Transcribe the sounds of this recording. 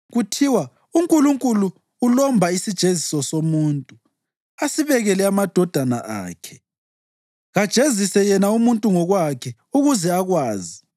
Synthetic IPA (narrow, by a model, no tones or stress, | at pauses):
ɣutʰiwa | uŋkʼuluŋkʼuluː | lɔmbʱaisid̥ʒ̥ʱezisɔsomuːntʼu | asiβɛɣɛlɛamad̥ʱɔd̥ʱanaʔa̰ːkʰɛ̥ | ɣad̥ʒ̥ʱezisɛjɛnaumuntʼuŋɔɣwakʰɛ | uɣuzɛaɣwaːzi